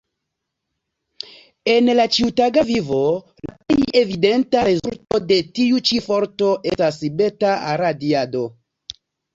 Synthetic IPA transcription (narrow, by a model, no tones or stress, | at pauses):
e̞nlat͡ʃiutaɡavivo̞ | la̰peje̞vide̞ntaɾezulto̞de̞tiut͡ʃifo̞ɾto̞ʔe̞stasibe̞taa̰ɾadiado̞